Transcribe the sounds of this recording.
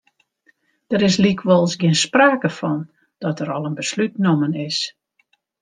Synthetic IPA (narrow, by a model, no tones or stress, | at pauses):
d̥əɾɪs̬likʋɔlˠsɡɪənspraːkəfɔn | d̥ɔtəɾɔlˠənbəslytnomənɪs